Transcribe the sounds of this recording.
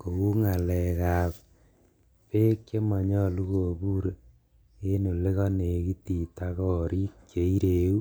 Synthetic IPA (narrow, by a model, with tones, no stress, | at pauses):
ko˨ɣu˦ŋa˨lɛ˨ka˨p | pe˦kt͡ʃe˦mɔ˨ɲɔ˦lu˦ɣo˨bu˦ɾe˨ | e˦nu˨le˦ɣɔ˦ne˨ki˦ti˨ta˦kɔ˨ɾiː˦kt͡ʃe˨˦i˦ɾe˨u˦